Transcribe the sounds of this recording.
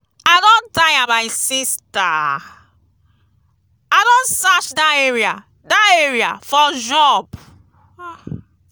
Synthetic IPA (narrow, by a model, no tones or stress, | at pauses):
aɪdɔ̃ndajamaɪsista | aɪdõnsat͡ʃdaeɹia̰ | daeɹia̰fɔd͡ʒɔb